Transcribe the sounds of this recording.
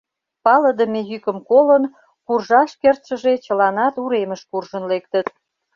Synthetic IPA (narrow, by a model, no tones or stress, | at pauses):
pɑləd̪əmejykəmkolən | kurʒɑʃkert̪ʃəʒet͡ɕəlɑnɑt̪uɾeməʃkurʒənlek̚t̪ət̪